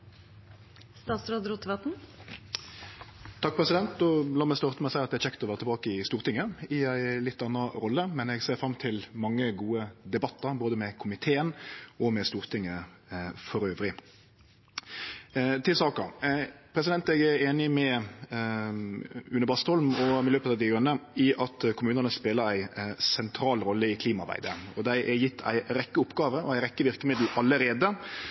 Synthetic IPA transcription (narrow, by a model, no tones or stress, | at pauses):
st̪ɑːt̪sɾoːd̪ɾut̪ʰːʋɑt̪n̩ | t̪ʰɑk̚pʰʁɛsɪd̪ɛnt̪̚d̪ɔlɑːmæɪst̪ɑʁt̪əmæɪsæɪɑt̪d̪ɛæçɛkt̪ɔʋæːʁət̪ʰbɑːkəɪst̪uːʁt̪ɪŋːəɪæɪlɪt̪ːɑnːɑɾɔlːəmɛnɛɡseːɾfɾɑmːt̪ʰɪlmɑŋːəɡuːəd̪ɛbɑt̪ːəɾboːd̪əmɛkʰʊmɪt̪ʰeːənɔmɛst̪uːʁt̪ʰɪŋːə | fɔɾøːʋɾɪ | t̪ʰɪlsɑːkəɾpʰɾɛs̬ɪd̪ɛnt̪ɛɡæeːnɪmɛ | ʉnəbɑːst̪ɔlmɔɛløːpət̪ɑʋd̪ɪɡɾʉnːəɪʔɑt̪kʰʊmʉːnənəspeːləɾæɪsɛnt̪ʰɾɑːlɾɔlːəɪkʰliːmɑɾbæ̰ɪd̪əɔd̪æɪʔɛɾjɪt̪ːʰæ̰ɪɾɛkːəʊpːɡɑːʋəɔæɪɾɛkːəʋɪɾkəmɪd̪l̩ʔɑlːəɾeːd̪ə